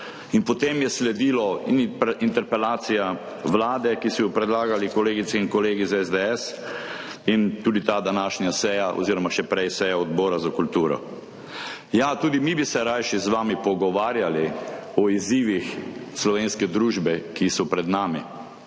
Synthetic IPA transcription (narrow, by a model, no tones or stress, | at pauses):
inpɔt̪eːmjɛslɛd̪iːlɔnint̪ɛɾpɛlaːt̪sija | ʋlaːd̪ɛkisɔjɔpɾɛd̪laːɡalikɔleːɡisɛinkɔleːɡizaɛzd̪ɛɛs | int̪uːd̪it̪aːd̪anaːʃnjasɛːjaʔɔ̰ziːɾɔmaʃɛpɾɛjsɛːjaɔd̪bɔːɾazakult̪uːɾɔ̰ | jat̪uːd̪imibisɛɾajʃizʋaːmipɔɡɔʋaːɾjaliɔiziːʋixslɔʋeːnskɛd̪ɾuːʒbɛkisɔpɾɛd̪naːmi